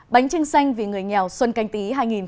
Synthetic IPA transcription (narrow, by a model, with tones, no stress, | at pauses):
ɓa˨˦jŋ̟t͡ɕɨ˧ŋsa˧jŋ̟vi˨˩ŋɨ˨˩əjɲɛ˨˩wswə˧nka˧jŋ̟t̪i˨˦ɦaː˧jŋi˨˩n